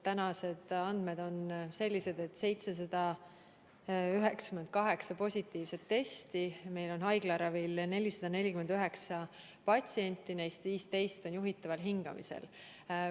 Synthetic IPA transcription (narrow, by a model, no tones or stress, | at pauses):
t̪ænɑse̞d̪̥ɑnd̪̥med̪̥o̞nse̞lʲːise̞d̪e̞t̪ːse̞jt̪se̞s̬ɑd̪̥ɑ | yɦe̞kskyme̞nd̪̚kɑɦe̞ksɑpo̞sʲit̪ːˑiːvse̞t̪ːe̞st̪ime̞jlo̞nɦɑjɡ̥lɑɾɑvilne̞lisɑd̪̥ɑne̞lʲikymend̪yɦe̞ksɑ | pɑt̪ʲsie̞nʲt̪ːˑinejst̪viːst̪e̞jst̪o̞njuɦit̪ːˑɑvɑlɦiŋɡ̥ɑ̰mʔḭsḛl